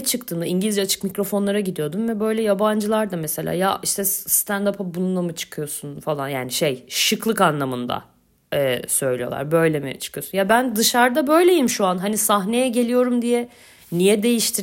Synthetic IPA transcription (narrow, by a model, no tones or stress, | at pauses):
t͡ʃʰɯkt̪ʰɯːnd̪aiɲɟilʲizd͡ʒɛat͡ʃʰɯ̥kmicɾo̞fo̞nlˠaɾaɟid̪ijo̞d̪umvɛbø̞jlʲɛjaband͡ʒɯlˠaɾd̪amese̞lʲa̰ːjaiʃt̪ʰɛst̪ʰænd̪apʰabununˠamɯt͡ʃʰɯ̥kʰɯjo̞sunfalˠanjaːniʃejʃɯklˠɯkanlˠamɯnd̪a̰ | ɛːsø̞jlʲijolˠa̰ɾbø̞jlʲemḭt͡ʃʰɯ̥kɯjo̞sunjabænd̪ɯʃaɾd̪abø̞jlʲe̞jimʃuanɦanisaɦne̞jɛɟe̞lʲijo̞ɾumd̪ijɛ | nijɛd̪e̞jiʃt̪ʰi